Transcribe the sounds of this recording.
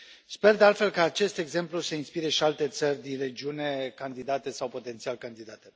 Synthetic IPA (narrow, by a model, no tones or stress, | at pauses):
spe̞rd̪ealt̪fe̞lkaːt͡ʃe̞st̪e̞ɡze̞mpluse̞inspiɾe̞ʃialt̪e̞t̪sərʲd̪inre̞d͡ʒiune̞kand̪id̪at̪e̞sawpo̞t̪e̞nt̪sialkand̪id̪at̪e